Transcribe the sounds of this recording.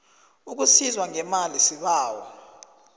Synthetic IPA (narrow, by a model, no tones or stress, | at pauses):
uk̬usizwaŋɛmalisiɓaːwɔ̰